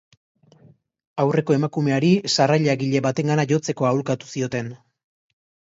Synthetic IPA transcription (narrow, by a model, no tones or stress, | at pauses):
awre̞ko̞e̞makume̞aɾisaraʎaɣiʎe̞βat̪e̞ŋɡanaʝo̞t͡se̞ko̞aulkat̪u̥sio̞t̪e̞n